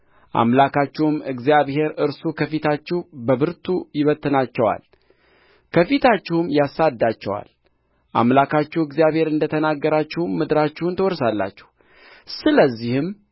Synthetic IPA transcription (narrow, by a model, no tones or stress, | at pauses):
ʔa̰mlakat͡ʃːɛhmɨɡzjaβhe̞ɾɨɾsukʰəfit̪ʰat͡ʃːɪhbəβɨɾt̪ʰujɪβət̪ʰʼːɨnat͡ʃːɛwa̰l | kʰəfit̪ʰat͡ʃːɪhmjasad̪ːat͡ʃːɛwa̰l | ʔa̰mlakʰat͡ʃːɛwɨɡzijaβhe̞ɾɨnd̪ət̪ʰənaɡːəɾat͡ʃːɪhmmɨd̪ɾat͡ʃːɪhunt̪ʰəwɔɾsalːa̰t͡ʃːɛ̥h | sɨləzːihɨm